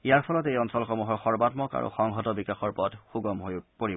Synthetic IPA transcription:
ijaɹpʰɔlɔtejɔnsɔlxomuɦɔɹxɔɹbatmɔka̰ɹṵxɔŋɦɔtɔbikaxɔɹpɔdxuɡɔmɦojpoɹi

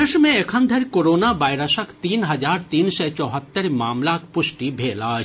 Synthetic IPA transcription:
eʃmẽekʰand̪ʱɐɾkoɾonabajɾɐsɐkt̪inɦɐd͡ʑaɾt̪insɛt͡ɕɔɦat̪ːeɾmaːmlakpuʃʈibʱeːlaː

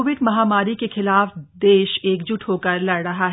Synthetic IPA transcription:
oʋɪɖmɐɦaːmaːɾikexɪlaːfd̪eːʃeːkd͡ʒʊʈʰɦoːkɐɾlɐɽɾɐɦaɦ

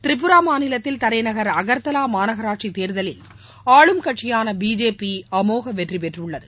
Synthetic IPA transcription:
t̪ɪɾɪp̬ːɯɾaːmaːnɪlɐt̪ːɪlt̪ɐɾɐjnɐɣɐɾɐɣɐɾt̪ɐlaːmaːnɐɣɐɾaːʈʂit̪eːɾðɐlɪl | aːɭɯmkɐʈʂɪjaːnɐbiːd͡ʒeːpiɐmoːɣɐʋɛʈripɛʈrɯɭːɐðɯ

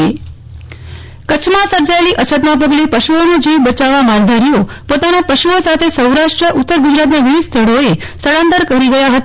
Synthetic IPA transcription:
e | kət͡ʃʰmãsəɾd͡ʒaeliʔət͡ʃʰət̪̬mãp̬əɡlepəʃuonud͡ʒiʋbət͡ʃaʋamaɾd̪ʱaɾio | pot̪anapəʃuosat̪ʰesəwɾaʃʈɾəʔʊt̪ːəɾɡud͡ʒɾat̪naʋiʋid̪st̪ʰəɽoe | səɽãnt̪əɾkəɾiɡəjaɦət̪

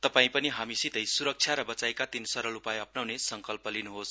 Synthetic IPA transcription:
t̪ʌpaĩpʌniɦamisit̪ʌjsuɾʌk̚t͡sʰjaɾʌbʌt͡saekat̪insʌɾʌlupajʌpnawnesʌŋkʌlpʌlinuɦos

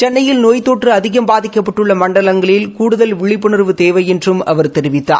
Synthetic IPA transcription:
t͡ʃɛnːɐjɪlnoːjt̪ːoːʈrɯɐðɪɣɐmbaːðɪkːɐpːɐʈːɯɭːɐmɐɳɖɐɭɐŋɡɐɭɪlkuːɽɯðɐlʋɪɭɪpːɯɳɪɾʋɯt̪eːʋɐjɛndrɯmɐ̰ʋɐɾt̪ɛɾɪʋɪt̪ːa̰ːɾ

